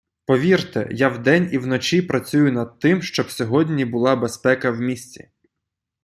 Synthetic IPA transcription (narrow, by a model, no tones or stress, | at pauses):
pɔʋʲirt̪ɛ̰jawd̪ɛnʲiwnɔt͡ʃʲipɾɐt͡sʲujʊnɐd̪̚t̪ɪmʃt͡ʃɔbsʲɔɦɔdʲnʲibʊlˠɑbespɛkɐwmʲisʲt͡sʲḭ